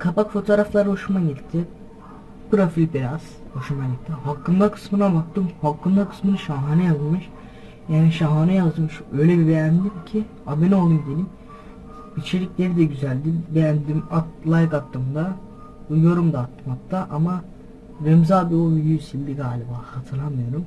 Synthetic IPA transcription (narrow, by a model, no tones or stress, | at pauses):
kʰapakfo̞t̪ʰoːɾaflˠaɾɯɦo̞ʃumaɟit̪ʰːɪ | pɯɾofilʲbiɾaz̥hoʃumaɟit̪ʰːiɦalˠkʰːɯnd̪akʰɯ̥smɯnabak̚t̪ːɯmhalˠkʰːɯnd̪akʰɯ̥smɯnɯʃaɦaːnɛjazmɯʃ | jaːniʃaɦanɛjazmɯʃø̞jlʲebibɛjænd̪imcʰi | abeno̞lˠd̪umɟeni | bit͡ʃʰeɾʲicʲlʲeɾid̪ɛɟyzælʲd̪ibejænd̪imat̪lˠajkat̪ːɯmd̪a | ujoɾumd̪aːt̪ʰːɯmatt̪ːaʔama | ɾɛmzaːbiojysilʲːiɡaːlʲibaːhat̪ʰɯɾlˠanmɯjo̞ɾum